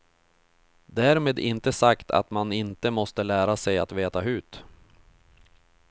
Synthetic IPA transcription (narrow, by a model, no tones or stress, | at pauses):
d̪æːɾmeːd̪ɪ̰nt̪əsakt̪ʰa̰t̪manɪnt̪əmɔst̪əlæːɾasɛja̰t̪veːt̪aɦʉ̟ːt̪